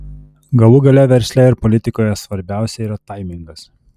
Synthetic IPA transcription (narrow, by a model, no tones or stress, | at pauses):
ɡɐlˠʊɡɐlʲɛʋʲɛɾʲsʲlʲæɪɾpɔlʲɪt̪ʲɪkoːjɛsʋɐɾʲbʲæˑʊsʲɛiːɾɐt̪ɐɪmʲɪŋɡɐs